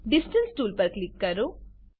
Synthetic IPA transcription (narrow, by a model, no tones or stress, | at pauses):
ɖisʈɐlsʈuːlpɐɾklikːɐɾu